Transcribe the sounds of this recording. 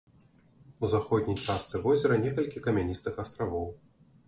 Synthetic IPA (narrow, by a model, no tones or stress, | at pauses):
uzaxɔd̪̚ʲnʲijt͡ʂast̪sɨvɔzʲɛɾɐnʲɛkɐlʲkʲikɐmʲɛnʲist̪ɨxast̪ɾavɔw